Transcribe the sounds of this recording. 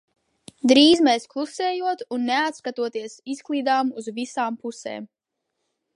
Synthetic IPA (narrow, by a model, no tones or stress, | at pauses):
d̪ɾiːzmeɛːsklˠuseːjuɔt̪unːɛat̪skat̪uɔt̪iɛsisklˠiːd̪aːmuzvisaːmpusḛːm